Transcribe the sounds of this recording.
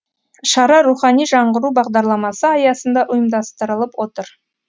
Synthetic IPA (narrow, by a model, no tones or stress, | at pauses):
ʃɑɾɑɾuχɑnijʒɑɴʁəɾubɑʁd̪ɑɾlˠɑmɑsəɑjɑsənd̪ɑʔʊjəmd̪ɑst̪əɾəlˠəpwo̞t̪əɾ